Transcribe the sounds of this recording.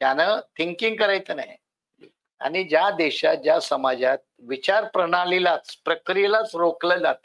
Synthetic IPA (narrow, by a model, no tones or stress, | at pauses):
t̪janət̪ʰiŋkiŋɡ̚kəɾajt͡s̪ənaɦi | a̰ñid͡ʑjad̪ɛɕat̪̚d͡ʑjasəmad͡ʑat̪̚ʋit͡ɕaɾpɾəɽ̃alelat͡spɾəkɾijlat͡sɾokləd͡zat̪